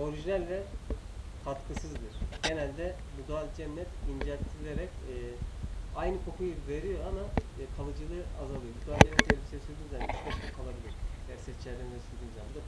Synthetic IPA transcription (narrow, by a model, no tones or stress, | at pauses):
o̞ɾiʒinælʲːɛ | kʰat̪kʰɯsɯzd̪ɯɾ̥ɟ̥e̞nælʲd̪ɛ | bud̪ualʲd͡ʒɛnːɛt̪ind͡ʒɛlʲt̪ʰiɾilʲeɾɛcː | ajnɯkʰo̞kʰujuve̞ɾijo̞ama | kʰalˠɯd͡ʒɯlˠɯazalˠɯjo̞bud̪ualʲd͡ʒɛmːɛt̪elʲisesyɾʲd̪inzanismɛʃt̪ukʰalˠabilʲiɾ̥æɾsɛt͡ʃʰːlæɾd̪ʲenid̪ɛsylʲd̪iːnzamd̪ɯ